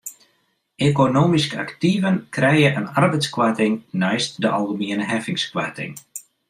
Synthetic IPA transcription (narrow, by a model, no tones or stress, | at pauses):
ekonoːmiskəa̰ktivənkrɛjəʔənarbɛjtskwatɪŋnɛjst̚dəʔɑlˠɣəmiənəɦɛfɪŋskwatɪ̰ŋ